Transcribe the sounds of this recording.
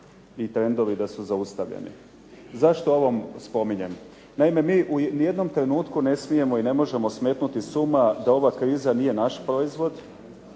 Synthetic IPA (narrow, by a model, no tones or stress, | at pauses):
it̪ɾe̞nd̪o̞ʋid̪asuzaust̪aʋʎḛnḭ | zaʃt̪oo̞ʋo̞mspo̞miɲe̞m | naime̞miːʔunije̞d̪no̞mt̪ɾe̞nuːt̪kune̞smije̞mo̞ine̞mo̞ʒe̞mo̞sme̞ːt̪nut̪isumad̪ao̞ʋakɾiːzanije̞naʃpɾo̞izʋo̞d̪